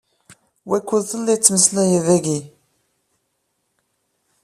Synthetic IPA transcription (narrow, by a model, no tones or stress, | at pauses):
wækːuðθəlːit͡sːməslæjiðæɡi